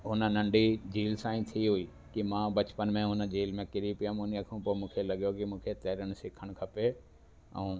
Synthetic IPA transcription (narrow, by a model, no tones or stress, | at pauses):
ɦʊnə̆nɐ̃ɳɖid͡ʑiːlsãːĩːt̪ʰiɦʊiː | kimãːbɐt͡ɕpənmẽɦʊnə̆d͡ʑiːlmẽkɪɾipijamʊnəkʰũpoːmũːkʰelɐɠjokimũːkʰet̪ɛːɾəɽ̃sɪkʰəɽ̃kʰɐpe | ɛ̰̃ː